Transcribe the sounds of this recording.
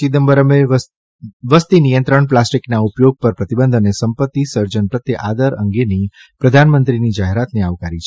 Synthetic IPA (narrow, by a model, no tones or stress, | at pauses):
id̪əmbəɾəme | ʋəst̪inijənt̪ɾəɳplasʈiknaupjoɡ̚pəɾpɾət̪ibənd̪ʱənesəmpət̪ːisəɾd͡ʒənpɾət̪jeʔad̪əɾə̰ŋɡeni | pɾəd̪ʱanmənt̪ɾinid͡ʒaɦeɾat̪neaʋkaɾit͡ʃʰ